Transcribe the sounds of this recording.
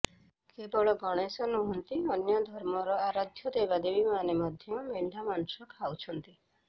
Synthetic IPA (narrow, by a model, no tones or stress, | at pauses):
kebɔɭɔɡɔɽ̃esɔnuɦɔnt̪iɔnjad̪ʱɔɾmɔɾɔaɾad̪ʱjɔd̪ebad̪ebimanemɔd̪ʱjɔmeɳɖ̪ʱamansɔkʰawt͡ʃʰɔnt̪i